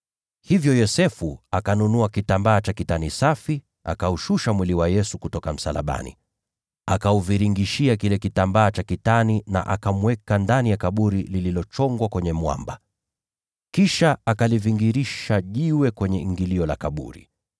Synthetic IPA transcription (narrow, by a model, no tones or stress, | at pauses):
hivjɔjɔsɛfuakanunuakitambaːt͡ʃakitanisafi | a̰kauʃuʃamwiliwajɛsukutɔkam̩sala̰ɓa̰nḭ | akauviɾiŋɡiʃiakilɛkitambaːt͡ʃakitanina̰ʔakamwɛkandanijakaɓuɾilililɔt͡ʃɔŋɡwakwɛɲɛmwa̰mba | kiʃaakaliviŋɡiɾiʃaʄiwɛkwɛɲɛiŋɡiliɔla̰kaɓṵɾḭ